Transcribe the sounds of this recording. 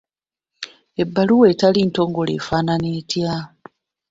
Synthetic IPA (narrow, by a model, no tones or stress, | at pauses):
e̞bːaluwe̞ːtalinto̞ːŋɡo̞lḛːfaːnaneːtja